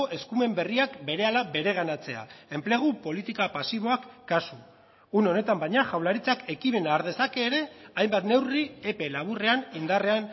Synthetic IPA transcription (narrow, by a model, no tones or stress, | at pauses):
oʔe̞skume̞mbe̞riakbe̞ɾe̞alabe̞ɾe̞ɣ̞anat͡se̞a̰e̞mple̞ɣ̞upo̞lit̪ikapasiβ̞o̞akːasu | uno̞ne̞t̪ambajɲaʝawlaɾit͡sake̞kime̞naːɾðe̞sake̞ːɾe̞ajmbat̪ne̞wriepe̞laβ̞ure̞anind̪are̞an